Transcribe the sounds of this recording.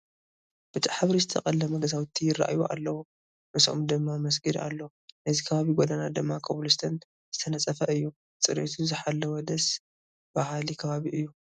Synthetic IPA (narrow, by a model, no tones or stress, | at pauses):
b̥ɨt̪ʰiħaβɾizɨt̪ʰɐ̰kʼɐlːɐmɐɡɐzawt̪ʰːijɪrːa̰ʔjuʔa̰lːɐwu | mɨso̰md̪ɨmːamɐs̬ɡɨd̪a̰lːo | nɨzikʰɐβaβiɡod̪anad̪ɨmːakʰɐβlust̪ʰɐn | z̥ɨt̪ʰɐnɐt͡sʼːɐfɐʔɨjːu | t͡sʼɨɾet̪ʰuzɨħalːɐwɔd̪ɐs | b̥ahlikʰɐβaβiʔɨjːu